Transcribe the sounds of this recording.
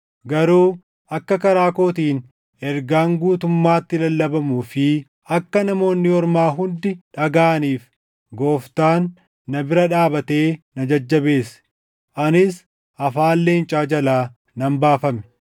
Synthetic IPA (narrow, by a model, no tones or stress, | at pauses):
ɡɐɾuː | ɐkːɐkɐɾaːko̞ːt̪iːn | ɛɾɡaːŋɡuːt̪ʊmːaːt̪ːɪlɐlːɐbɐmuːfɪ | ɐkːɐnɐmo̞ːnːɪɔɾmaːɦʊnd̪ɪᶑɐɡaːʔniːf | ɡo̞ːft̪aːnː | ɐbɪɾɐᶑaːbɐt̪e̞ːnɐd͡ʒɐd͡ʒːɐbe̞ːs | ʔɐnɪs | ʔɐfaːlːe̞ːnt͡ʃʼaːd͡ʒɐlaː | nɐmbaːfɐmɛ̥